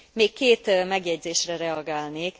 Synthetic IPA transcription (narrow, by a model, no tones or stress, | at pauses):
meːkkːeːt̪mɛɡjɛɟzeːʃrɛɾɛɒɡaːlneːk